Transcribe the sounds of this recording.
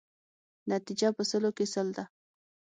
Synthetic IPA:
nat̪ɪd͡ʒapəsəlokɪsəld̪a

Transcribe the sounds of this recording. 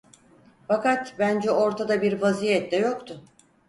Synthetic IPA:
fakat̪bænd͡ʒɛo̞ɾt̪ʰad̪abiɾvazijɛt̪d̪ɛjo̞kt̪ʰʊ

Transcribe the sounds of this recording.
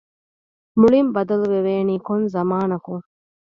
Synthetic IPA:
muɭimbɐd̪ɐluʋeʋeːniːkonzɐmaːnɐkuŋ

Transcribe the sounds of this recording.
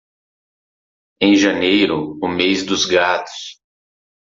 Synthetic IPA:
ẽj̃ʒɐnejɾʊʊmejzd̪ʊzɡat̪ʊ̥s

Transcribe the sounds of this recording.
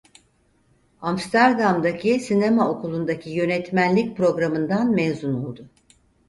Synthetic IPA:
amst̪ʰæɾd̪amd̪acʰisinemao̞kʰulˠund̪acʰijø̞nɛt̪mænlʲic̚pɾo̞ɡɾamɯnd̪anmɛzunolˠd̪ʊ

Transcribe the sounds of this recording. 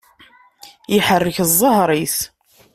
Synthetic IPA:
iħərːəçzˤːəɦɾˤiθ

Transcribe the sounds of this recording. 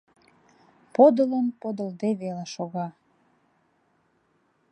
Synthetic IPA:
pod̪ələnpod̪əld̪eβeleʃoɣɑ

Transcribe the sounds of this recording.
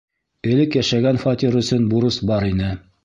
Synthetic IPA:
ɘ̆lɘkjæʃæɡænfat̪ʲiɾɵ̆sɵnbuɾɤsbɑɾinɘ

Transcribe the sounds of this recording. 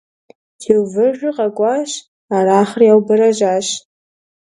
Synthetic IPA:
kʰiwvɨʒʷᶣʊqʼakʷʼaʃ | aɾaːχrjawbɨɾaʒʷaʃ

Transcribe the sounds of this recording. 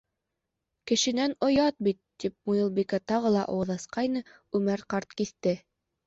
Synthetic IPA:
kɘ̆ʃɘ̆nænŏjɑt̪̚bit̪ːip̚mujɤlˠbikɑt̪ɑʁɤlˠɑʔɑ̰wɤðɑsqɑjnɤ | ʉmæɾqɑɾt̪kiθt̪ɘ

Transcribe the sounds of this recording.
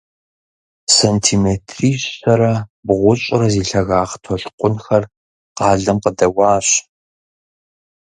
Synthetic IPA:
sɐntʰiːmetʰriːɕɐɾɐbʁʷʊɕʼɪɾɐziːɬɐɣaːχtʰɔɬqʷʼʊnxɐr | qɑːɮɐmqədɐwɑːɕ

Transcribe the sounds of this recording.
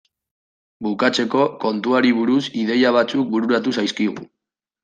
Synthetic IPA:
bukat͡se̞ko̞ko̞nt̪uaɾiβuɾusiðe̞jaβ̞at͡suk̚buɾuɾat̪̬usajskiɣṵ

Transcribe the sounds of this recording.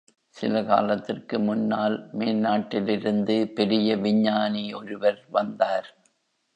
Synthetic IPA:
sɪlɐka̰ːlɐt̪ːɪrkɯmʊnːaːlmeːnnaːʈːɪlɪɾɯnd̪ɯpɛɾɪjɐʋɪɲːaːniɔɾɯʋɐɾʋɐnd̪aːɾ

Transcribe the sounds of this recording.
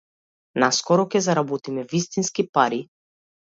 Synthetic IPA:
naskɔɾɔkʲɛzaɾabɔt̪imɛvist̪inskipaɾi

